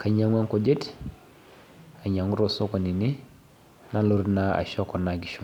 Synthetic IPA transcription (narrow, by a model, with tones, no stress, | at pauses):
kʰa˨ɲa˨ŋa˦ŋko˨d͡ʒe˦t | a˨ɲa˨ŋu˦ɾo˨so˦ko˨ni˨ni˦ | na˦lo˦ɾna˦a̰˨ʃɔ˦kɔ˨na˨ɡi˨ʃu˨